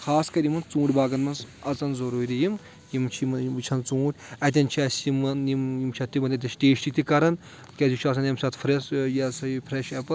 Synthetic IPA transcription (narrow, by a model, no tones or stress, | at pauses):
kʰaːskɐɾimɐnt͡sũːʈʲbaːɡɐnmɐns | ɐt͡sɐnzɐɾuːɾʲijim | jimt͡ʃʰmt͡ʃʰɐnt͡sũːʈʲɐt̪̬ʲɐnt͡ʃʰasimɐnimjimt͡ʃʰɐt̪imɐt̪ʲɐt̪ʲɐsʈeːʃʈit̪ʲʰikɐɾɐn | kʲɐzut͡ʃʰɐs̬ɐnɐmsɐt̪fʰɾesjɐsɐipʰɾeʃɛpɐ